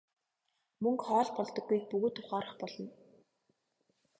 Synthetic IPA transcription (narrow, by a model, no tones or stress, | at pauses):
mɵŋkχɔːɮpɔɮt̪ɞ̆ɡːujk̚pɵɣɵːt̪ʰːʊχaːɾə̆χpɔɮɞ̆n